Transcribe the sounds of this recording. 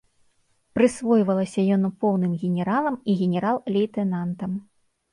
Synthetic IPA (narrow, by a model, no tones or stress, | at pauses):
pɾɨsvɔjvɐlˠɐsʲɐjɔnpɔwnɨmɣʲɛnʲɛɾalˠɐmiɣʲɛnʲɛɾalˠlʲɛjt̪ɛnant̪ɐm